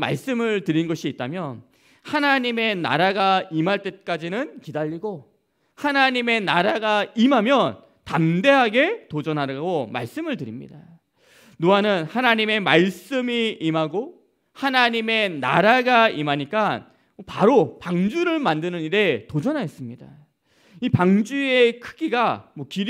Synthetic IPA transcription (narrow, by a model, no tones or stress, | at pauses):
ma̰ɭs͈ɯmɯɭtɯɾinɡʌɕʰiːt̚t͈amjʌn | hanaɲime̞na̰ɾaɡaimaɭt͈e̞k͈ad͡ʑinɯnkidaʎːiɡo | hanaɲime̞naɾaɡaimɦamjʌn | tamde̞ɦaɡe̞tod͡ʑʌnɦaɡoma̰ɭs͈ɯmɯɭtɯɾimɲḭda | nuanɯnhanaɲime̞maɭs͈ɯmiimɦaɡo | hanaɲime̞na̰ɾaɡaimɦaɲik͈an | paɾopaŋd͡ʑuɾɯɭmandɯnɯniɾe̞tod͡ʑʌnɦaes͈ɯmɲida | ipaŋd͡ʑue̞kʰɯ̥ɡiɡamwʌkiɾ